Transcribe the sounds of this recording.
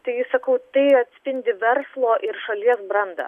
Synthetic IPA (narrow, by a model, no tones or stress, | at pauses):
t̪ɐɪjɪsɐkɐʊt̪ɐɪɐt̪ʲsʲpʲɪnʲd̪ʲɪʋʲɛɾslˠoːʔɪɾʃɐlʲiɛsbɾɐnd̪ɐ̰